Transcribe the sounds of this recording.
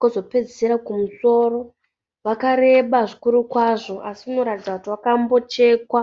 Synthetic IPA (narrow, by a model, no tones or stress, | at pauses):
kozo̞pe̞d͡ziseɾakumuso̞ːɾo̞ | ʋakaɾe̞ɓaʐikuɾukwaʐo̞ʔasiuno̞ɾatid͡zakutiʋakambo̞t͡ʃe̞ːkwa